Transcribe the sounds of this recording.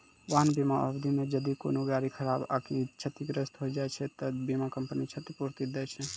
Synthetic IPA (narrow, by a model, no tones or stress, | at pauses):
ʋãːnbimãʔəbd̪ʱimẽd͡ʒəd̪iko̰noɡaːɾikʰəɾaːba̰ːkʰit͡ʃʰət̪iɡɾəst̪ɦoid͡ʒaːjt͡ʃʰet̪əbimãkəmpənit͡ʃʰət̪ipuɾt̪id̪ɛjt͡ʃʰe